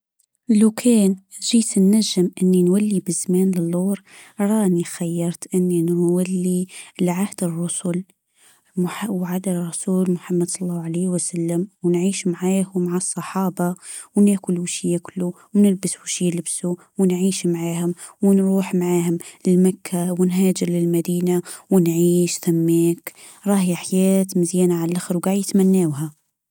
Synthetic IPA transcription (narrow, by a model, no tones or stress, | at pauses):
lukʰeːnʒiːt̪nːaʒːɪmʔɪnːinwalːibɪzmaːnlɪlːuːɾˤ | ɾˤɑːnixajːɑɾˤt̪ʔɪnːinwalːilʕahd̪ɪrˤːʊsʊl | mʊħawʕad̪arˤːɑsuːlmʊħamːad̪sˤɑlːɑːhʕaleːwasalːamwnʕiːʃmaʕaːhʊmaʕɑsˤːɑħɑːbɑwnaːkʊlwʃijːakʊlːu | wnɪlbɪsfuʃiːlɪbsu | wɪnʕiːʃmaʕaːhʊmwɪnɾuːħmaʕaːhʊmlɪlmakʰːawɪnɦaːd͡ʒɪɾlɪlmad̪iːnawɪnʕiːʃθamːeːk | ɾˤɑːhjaħjaːt̪mɪzjaːnaʕallʔaxɪɾwɡaːʕjjɪt̪manːaːwɦa